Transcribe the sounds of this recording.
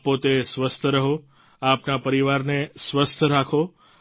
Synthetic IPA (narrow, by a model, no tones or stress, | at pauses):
pot̪esʋəst̪ʰəɾəɦo | apnapəɾiʋaɾnesʋəst̪ʰəɾakʰo